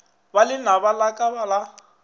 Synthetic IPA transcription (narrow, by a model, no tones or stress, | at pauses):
balɪnabalakʼabala